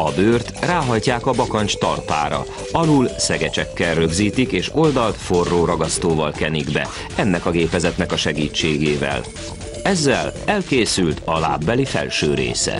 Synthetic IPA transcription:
ɒbøːrt̪raːɦɒjcaːkɒbɒkɒɲt͡ʃt̪ɒ̰lpa̰ːɾɒ̰ | ɒluːlsɛɡɛt͡ʃɛkːɛlrø̞ɡziːt̪ikeːʃo̞ld̪ɒlt̪fo̞rːoːɾɒɡɒst̪oːvɒlkɛniɡbɛ̰ | ɛnːɛkɒɡeːpɛzɛt̪nɛkɒʃɛɡiːt͡ʃːeːɡeːvɛ̰l | ɛzːɛlɛlkeːsylt̪ʰɒla̰ːbːɛlifɛ̰lʃøːɾḛːsɛ̰

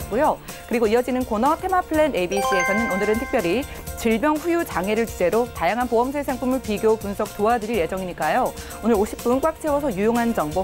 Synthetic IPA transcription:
kujo | kɯɾiɡoiʌd͡ʑinɯnkonʌtʰe̞mapʰɯɭenebis͈ɯe̞sʰʌnɯnonɯɾɯntʰɯk̚pjʌɾi | t͡ɕiɭbjʌŋɸujut͡ɕaŋɦe̞ɾɯɭt͡ɕid͡ʑe̞ɾotajaŋɦanpoɦʌmsʰesʰeŋpʰumɯɭpiɡjopunsʰʌk̚t͈oɦadɯɾije̞d͡ʑʌŋiɲik͈ajo | onɯɾoɕʰi̥p̚p͈unk͈wak̚t͡ɕʰewʌsʰʌjujoŋɦand͡ʑʌŋbo

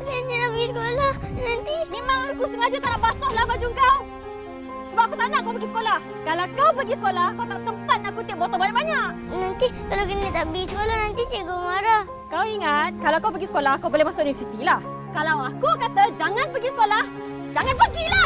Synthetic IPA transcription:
kəninapəɡisəkolanant̪imemaŋakusəŋad͡ʒat̪anaʔpasʊʔlahbad͡ʒuŋkaw | səbap̚akut̪anaʔkawpəɡisə̥kolah | kalawkawpəɡisə̥kolahkawt̪aʔsəmpat̪̚naʔkut̪iəp̚bɔt̪ɔbanaʔbaɲaʔ | nant̪ikalakənnit̪aʔbisəkolanant̪it͡ʃiɡomaɾa | kawiŋat̪̚kalawakawpəɡisə̥kolahkawbolɛhmasʊk̚ʔnifisit̪ilah | kalawakukat̪ad͡ʒaŋanpəɡisə̥kolah | d͡ʒaŋanpəɡila

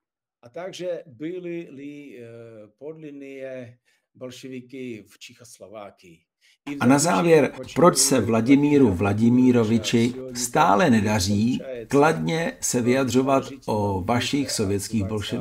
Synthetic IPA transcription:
ʔat̪aɡʒɛbɪlɪlɪ | podlɪnɪjɛ | bolʃɛvɪkɪft͡ʃɛxoslovaːkɪ | anazaːvjɛɾpɾo̞t͡ʃsɛvlaɟɪmiːɾuvlaɟɪmiːɾo̞vɪt͡ʃɪst̪aːlɛnɛdar̝iːkladɲɛsɛvɪjadr̝o̞vat̪ | ʔovaʃixso̞vjɛtt͡skiːɣbo̞lʃɛv

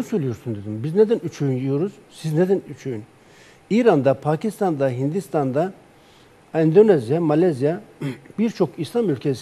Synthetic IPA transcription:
søjlʲijo̞ɾsund̪e̞d̪imbizne̞d̪ænyt͡ʃʰøjynjijo̞ɾuz̥sizne̞d̪ænyt͡ʃʰøjyn | iːɾand̪apʰaːcist̪ʰand̪aɦind̪ist̪ʰand̪a | ænd̪onezijamalʲazijabiɾt͡ʃʰo̞kislˠamylʲcʰes

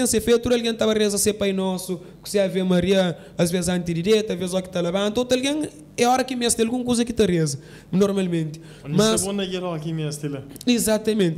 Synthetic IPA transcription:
ẽseɾfet̪uɾɐlɣɐ̃t̪aβɐʁezɐsepɐjnɔsu | ku̥siavemɐɾiɐ | ɐzvezzɐ̃nt̪iðiɾɛt̪ɐʒvezɔki̥t̪ɐlɐβɐ̃nt̪ot̪ɐlɡẽŋ | ɛɔɾɐkimɛst̪elɣũŋkuzɐkit̪ɐʁezɐ | nɔɾmalˠmẽnt̪ | nmɐsonɐɣɛɾakimɛst̪elizat̪ɐmẽnt̪

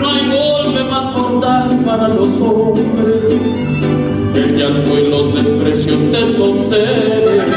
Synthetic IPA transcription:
noajmolmeβaskoɾt̪aɾpaɾalosombɾes | elɲaŋk̪oelozd̪espɾesjosd̪esose | ɾe

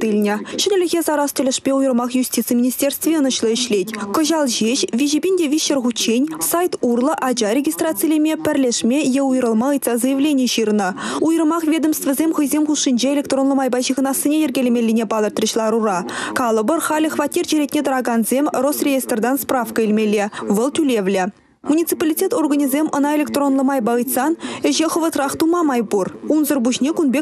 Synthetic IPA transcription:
t̪ɯlʲnʲɘ̆ɕɘ̆nʲɪ̆lʲɘ̆ɣʲezɑɾɑst̪ʲɵ̆lʲɘ̆ʂpʲeujɤrmɑχjusʲtʲit̪sɨjmʲinʲisʲtʲerst̪vʲeənɤ̆ɕlˠɤ̆ɘ̆ɕlʲetʲkŏʑɑlˠʑeɕvʲiʑibʲenʲdʲevʲiɕːerʁut͡ɕːenʲsɑjt̪urlˠɤ̆ʔɑd͡ʑɑɾʲeɡʲist̪rat̪sɨjlʲemʲepʲɘ̆rʲlʲeʂmʲejeujɾɤ̆lˠmɑɯjt̪sɑzɤjɪvlʲenʲieɕirnɤ̆ujərmɑχvʲed̪ə̆mst̪ʲvʲĕzʲemʲχɯjzʲemuʂːinʲd͡ʑeelʲek̚t̪ronlˠə̆mɑjbɑjʑiʁə̆nɑsʲːinʲejerʲɡʲelʲemʲelʲːenʲebɑd̪ˠɤrt̪rʲĭɕlˠɑɾurɑkɑlˠəbərχɑlʲɪχvatʲːirʒeɾʲet̪̚ʲnʲet̪əɾɑɡɑnzʲemrosrʲejest̪rd̪ɑnsprafkəilʲmʲelʲːevəlˠt̪ʲylʲevlʲe | munʲit̪sɨpalʲitʲet̪orɡanʲizʲemʔənɑelʲek̚t̪ronlˠə̆mɑjbɑɯjt̪sɑnɘ̆ʑeχə̆və̆t̪rɑχt̪umɑmɑjburunzərbuɕnʲekunbʲe

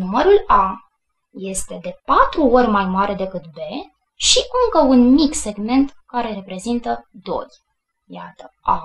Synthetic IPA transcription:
numəɾula | je̞st̪e̞d̪e̞pat̪ɾuo̞rʲmajmaɾe̞d̪e̞kɨt̪̚be̞ | ʃiʔɨŋkəunmikse̞ɡme̞nt̪kaɾe̞re̞pɾe̞zint̪əd̪o̞̰j | ja̰t̪əʔa̰

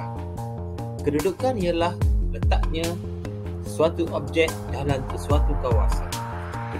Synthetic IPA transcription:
kədudukanialahlət̪aʔ̚ɲã | suat̪uʔɔp̚d͡ʒɛk̚dalansəsuat̪ukawa̰san

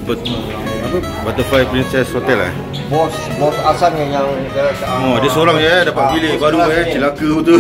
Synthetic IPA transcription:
ba | ap | bat̪əfajpɾinsɛshot̪ɛla̰ | bɔs | bɔsasanɲajaŋdaaɔadəsoɾaŋadapat̪̚pilehbaɾujat͡ʃilakəut̪u

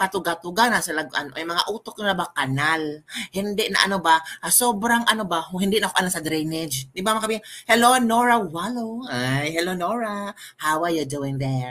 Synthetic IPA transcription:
kat̪ʊɡat̪ʊɡanasɐlaɡɐ̰noʔajmɐŋa̰ʔut̪ok̚nɪlabakanalhɪnd̪ɪʔnɐ̰ʔɐnobasobɾaŋʔɐnobahɪnd̪ɪʔnaʔkoʔalasɐd̪ɾɛnɛd͡ʒnɪbamakabihɛlonoɹawaloajhɛlonoɹahawajəd̪uɪŋd̪ɛ

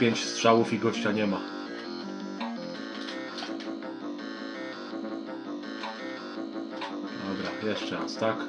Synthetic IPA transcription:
pʲjeɲt͡ɕstʂawufiɡɔɕt͡ɕaɲɛma | d̪ɔbɾajɛʂt͡ʂɛɾast̪ak

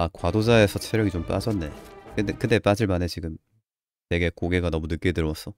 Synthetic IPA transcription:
akwadod͡ʑae̞sʰʌt͡ɕʰeɾjʌɡit͡ɕomp͈a̰d͡ʑʌnːe̞̰kɯkɯt͈e̞p͈ad͡ʑiɭmane̞t͡ɕiɡɯm | te̞ɡe̞koɡe̞ɡanʌmunɯk͈e̞dɯɾwʌs͈ʌ

